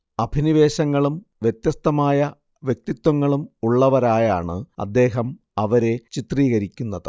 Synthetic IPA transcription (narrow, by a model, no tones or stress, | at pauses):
ɐbʱiniʋe̞ːɕɐŋːɐɭumʋjet̪jɐst̪ɐmaːjɐ | ʋjek̚t̪it̪wɐŋːɐɭumuɭːɐʋɐɾaːjaːɳɨɐ̰d̪ːe̞ːɦɐm | ɐʋɐɾe̞t͡ɕit̪riːɣɐɾikʲːunːɐðɨ